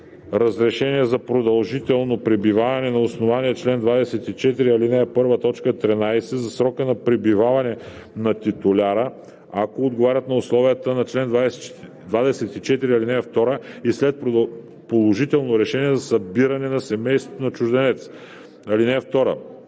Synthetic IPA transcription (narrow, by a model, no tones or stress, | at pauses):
ɾɐzɾɛʃɛniɛzɐpɾod̪ɐlˠʒit̪ɛlˠnopɾibivavɐnɛnɐosnovaniɛt͡ʃlɛnd̪vad̪ɛsɛt̪it͡ʃɛt̪iɾiɐlinɛːpɤɾvət̪ɔt͡ʃkət̪ɾinajsɛzɐsɾɔkənɐpɾibivavɐnɛ | nɐt̪it̪ʊlʲaɾə | akoːd̪ɡovaɾʲɐt̪nɐoslˠɔvijət̪ənɐt͡ʃlɛnd̪vas | d̪vad̪ɛsɛt̪it͡ʃɛt̪iɾiɐlinɛft̪ɔɾəislɛt̪̚p | polˠoʒit̪ɛlˠnoɾɛʃɛniɛzɐsɐbiɾɐnɛnɐsɛmɛjst̪vot̪onɐt͡ʃʊʒd̪ɛnɛt̪s | ɐlinɛft̪ɔɾə̰